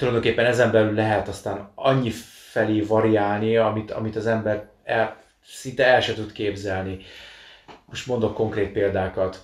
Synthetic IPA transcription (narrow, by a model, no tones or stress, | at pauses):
t̪ulɒjd̪o̞ŋkeːpːɛnɛzɛmbɛlylːɛɦɛt̪ɒst̪aːnɒɲːifɛleːvɒɾiaːlniɒmit̪ʰɒ̰mit̪ɒzɛmbɛr | ɛl | sint̪ɛɛlʃɛt̪ut̪keːbzɛlni | mo̞ʃt̪mo̞nd̪o̞kko̞ŋkreːt̪̚peːld̪aːkɒt̪